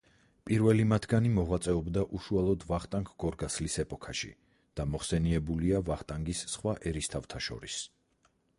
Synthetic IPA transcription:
pʼiɾvɛlimat̪ʰɡanimɔʁwat̪sʼɛɔbd̪aʔuʃualˠɔd̪vaχt̪ʼaŋkʰɡ̥ɔɾɡaslisɛpʼɔkʰaʃḭ | d̪̥amɔχsɛniɛbuliavaχt̪ʼaŋɡisːχwaʔɛɾist̪ʰavt̪ʰaʃɔ̰ɾis

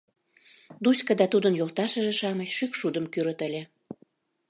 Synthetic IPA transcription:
d̪usʲkəd̪ɑt̪ud̪ənjolt̪ɑʃə̆ʒeʃɑməɕʃykʃud̪əmkyɾət̪ə̆lʲe

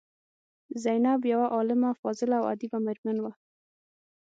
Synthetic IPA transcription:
zajnabjawaʔɑlɪmafɔzɪlaawa̰d̪ibamɪɾmanwa

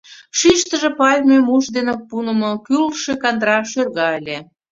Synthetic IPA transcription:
ʃiʃt̪ə̆ʒĕpɑlʲmʲemuʃd̪enepunə̆mokylʃekɑnd̪ɾɑʃørɣɑelʲe

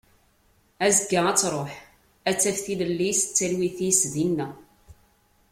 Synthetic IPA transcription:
æzəɡːaæt͡sːɾˤoħ | æt͡sːæfθiləlːisə̥t͡sːælwiθisðinːæ

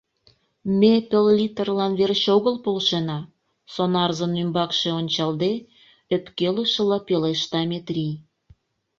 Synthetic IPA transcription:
mʲepellit̪ərlɑnβerɕoɣəlpolʃenɑ | sonɑrzənymbɑkʃeonʲt͡ɕɑld̪e | øp̪kelə̆ʃə̆lɑpeleʃt̪ɑmʲet̪rʲij

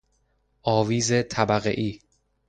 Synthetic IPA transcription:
ʔɒːviːzet̪ʰæbæɣḛʔiː

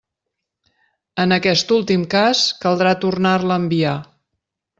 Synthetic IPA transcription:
ənəkɛst̪ulˠt̪imkaskəlˠd̪ɾat̪urnarləːmbia

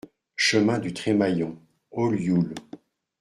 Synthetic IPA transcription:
ʃəmɛ̃d̪yt̪χɛmajɔ̃ | oljul

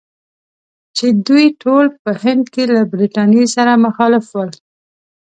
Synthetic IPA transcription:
t͡ʃed̪ujʈʰolpəhɪnd̪kelabɾiʈɑnjesaɾamaxɑlɪfwəl

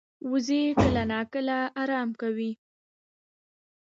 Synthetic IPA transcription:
wuzekəlanɑkəlaɑɾɑmkawi

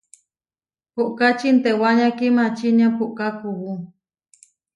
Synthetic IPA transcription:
puʔkat͡ʃint̪ewaɲãkimãt͡ʃiɲãpuʔkakuwu

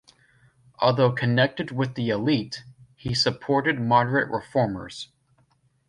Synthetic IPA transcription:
ʔɔ̰lˠðoʊkʰɨnɛk̚tɨd̚wɪðiɨlithisɨpʰɔɹɾɨd̚mɑɾə˞ɨʔɹʔɪ̰fɔɹmə̰˞z̥

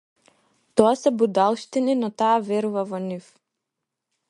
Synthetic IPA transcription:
t̪ɔasɛbud̪alˠʃt̪ininɔt̪aːvɛɾuvavɔnif

